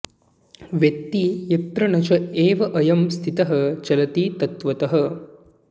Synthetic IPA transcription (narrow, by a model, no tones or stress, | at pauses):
ʋjɐk̚t̪ijɐt̪ɾɐɳɐt͡ʃɐeːʋɐʔɐjɐmst̪ʰit̪ɐɦɐ̆t͡ʃɐlɐt̪iːt̪ɐt̪ʋɐt̪ɐɦɐ̆